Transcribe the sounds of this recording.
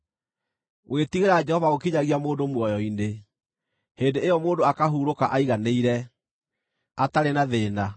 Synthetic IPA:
wʔetiɣeɾaːd͡ʒɛhɔvaokiɲaɣiamoːndomwɔjɔine | heːndeejɔmoːndoakaɦuːɾokaʔaiɣaneiɾɛ | ataɾenaðeːna

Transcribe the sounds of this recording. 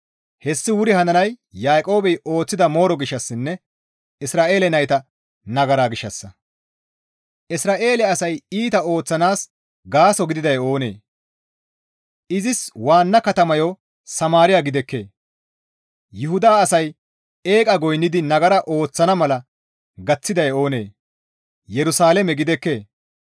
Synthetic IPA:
hɛsːɪwʊɾɪhɐnɐnɐjjaːkʼo̞ːbɛjo̞ːt͡sːɪd̪ɐmo̞ːɾɔɡɪʃːɐsːɪnːɛ | ɪsɾaːʔe̞ːlɛnɐjt̪ɐ | nɐɡɐɾaːɡɪʃːɐsːɐ | ʔɪsɾaːʔe̞ːlɛɐsɐjiːt̪ɐo̞ːt͡sːɐnaːs | ɡaːsɔɡɪd̪ɪd̪ɐjo̞ːne̞̰ː | ʔɪzɪswaːnːɐkɐt̪ɐmɐjo | sɐmaːɾɪjaɡɪd̪ɛkːe̞̰ː | jʊɦʊd̪aːɐsɐj | e̞ːkʼɐɡɔjnːɪd̪ɪnɐɡɐɾɐʔo̞ːt͡sːɐnɐmɐlɐ | ɡɐt͡sːɪd̪ɐjo̞ːne̞̰ː | jɛɾʊsaːlɛmɛɡɪd̪ɛkːe̞ː

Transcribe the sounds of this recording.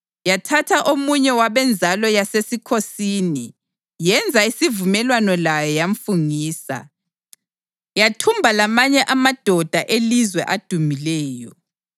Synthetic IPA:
jatʰatʰaʔomuɲɛwaβɛnd͡zʱalɔjasesikʰosiːni | jɛnd͡zʱaisivumɛlwanɔlajɔjaɱfuŋiːsa̰ | jatʰumbʱalamaɲɛʔamad̥ʱɔd̥ʱaʔelizwɛʔad̥ʱumilɛːjɔ

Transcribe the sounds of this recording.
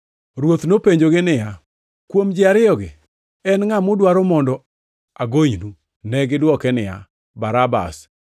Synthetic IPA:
ɾwot̪nopeɲd͡ʒoɡɪnɪja | kwomd͡ʒɪaɾɪɔɡɪ | ɛnŋamʊdwaɾɔmɔndɔ | aɡoɲnu | nɛɡɪdwɔkɛnɪja̰ | baɾaba̰s

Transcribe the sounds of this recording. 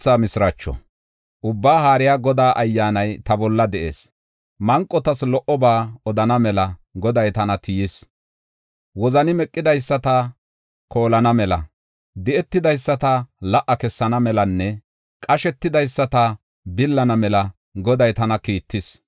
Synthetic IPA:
t͡sːaːmɪsɾɐt͡ʃːɔ̰ | ʔʊbːaːɦaːɾɪjaːɡɔd̪aːʔɐjːaːnɐjt̪ɐbɔlːɐd̪ɛʔḛːs | mɐŋkʼːɔt̪ɐslɔʔɔbaːɔd̪ɐnɐmɛlɐɡɔd̪ɐjt̪ɐnɐt̪ʰɪjɪs | wɔzɐnɪmɛkʼːɪd̪ɐjsːɐt̪ɐ | kʰo̞ːlɐnɐmɛlɐ̰ | d̪ɛʔɛt̪ːɪd̪ɐjsːɐt̪ɐlɐʔːɐkɛsːɐnɐmɛlɐnːɛ | kʼɐʃɛt̪ːɪd̪ɐjsːɐt̪ɐ | bɪlːɐnɐmɛlɐ | ɡɔd̪ɐjt̪ɐnɐkiːt̪ːɪs

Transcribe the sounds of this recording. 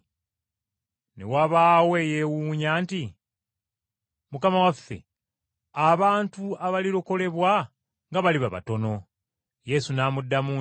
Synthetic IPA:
ne̞̰waβaːwe̞je̞wuːɲaːnti | mukamawafe̞̰ | aβaːntuaβaliɾoko̞le̞βwa | ŋɡaβaliβaβa̰to̞no̞ | je̞sunaːmudːamuː

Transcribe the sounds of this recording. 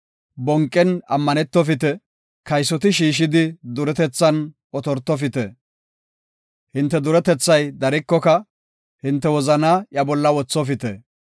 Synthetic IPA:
bɔŋkʼːɛnɐmːɐnɛt̪ːɔfɪt̪ɛ | kɐjsːɔt̪̬ɪʃiːʃ̬ɪd̪ɪd̪ʊɾɛt̪ɛt͡sːɐn | ɔt̪ɔɾt̪ːɔfɪt̪ɛ | hɪnt̪ːɛd̪ʊɾɛt̪ɛt͡sːɐjd̪ɐɾɪkːɔkɐ | hɪnt̪ːɛwɔzɐnɐjɐbɔlːɐwɔt͡sːɔfɪt̪ɛ

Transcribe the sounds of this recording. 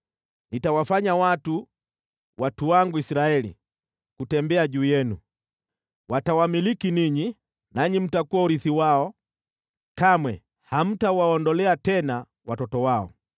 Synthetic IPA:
nitawafaɲawatu | wʔatuwaŋɡuisiɾaɛlḭ | kutɛmbɛaʄuːjɛnu | wʔatawamilikiniɲi | naɲim̩takuauɾiθiwaɔ | kamwɛ | ham̩tauwaɔndɔlɛatɛna | watɔtɔwaɔ̰

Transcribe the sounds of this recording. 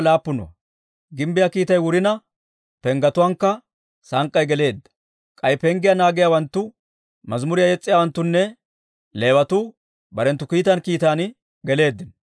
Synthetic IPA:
laːpːʊnʊ̰ɐ̰ | ɡɪmbɪjakiːt̪ɐjwʊɾɪnɐ | pɛŋɡɐt̪ʊwɐŋkːɐ | sɐŋkʼːɐjɡɛle̞ːd̪ːɐ̥ | kʼɐjpɛŋɡɪjanaːɡɪjawɐnt̪ːʊ | mɐzmʊɾɪjajɛt͡sʼːɪjaːwɐnt̪ːʊnːɛ | le̞ːwɐt̪ʊ | bɐɾɛnt̪ːʊkiːt̪ɐnkiːt̪aːn | ɡɛle̞ːd̪ːɪn

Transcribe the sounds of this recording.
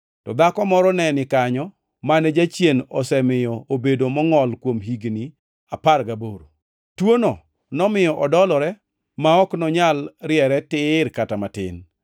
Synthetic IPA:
tɔd̪akɔmɔɾɔnɛnɪkaɲɔ | manɛd͡ʒat͡ʃjenɔsɛmɪjɔobedomɔŋɔlkwomɦiɡni | aparɡaboɾo̰ | twonɔ | nɔmɪjɔʔɔdɔlɔɾɛ | maɔknɔɲalɾjɛɾɛtɪɾkatamatɪ̰n

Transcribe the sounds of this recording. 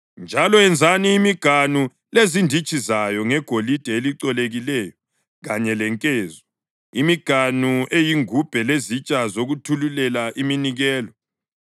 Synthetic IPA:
nd͡ʒʱalɔɛnd͡zʱaniːmiɡ̥ʱanu | lezindʱit͡ʃʼʰizajɔŋɛɡ̥ʱolid̥ʱɛeliǀɔleɣilɛjɔ | ɣaɲɛlɛŋkʼeːzɔ | imiɡ̥ʱanuʔejiŋub̥ʱɛlezit͡ʃʼazoɣutʰululɛlaʔiminiɣɛːlɔ

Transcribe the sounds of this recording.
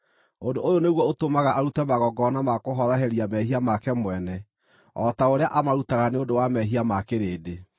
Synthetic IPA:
ondoʔːjoneɣwɔotomaɣaʔaɾutɛmaɣɔɡɔnamakoɦɔɾɔɦɛɾiamɛhiamakɛmwɛnɛ | ɔtaoɾeaʔamaɾutaɣaneodowamɛɦiamakeɾeːde

